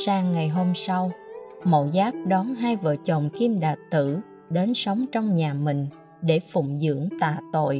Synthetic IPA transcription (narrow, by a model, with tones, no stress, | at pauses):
saː˧ŋːa˨˩jɦo˧msa˧wmo̰˧˨zaː˦˥k̚ɗɔ˨˦nɦaː˧jvə̰˧˨t͡ɕo̰˧˨nki˧mɗaː˨˩t̪ɨ˧˩ | ɗe˨˦nsə˨˦wŋ͡mt͡ɕɔ˧wŋ͡mɲaː˨˩mï˨˩ŋ̟ | ɗe˧˩fʊ̰˧˩ŋ͡mzɨ̰˧˥əŋt̪a̰ː˧˨t̪o̰˧˨j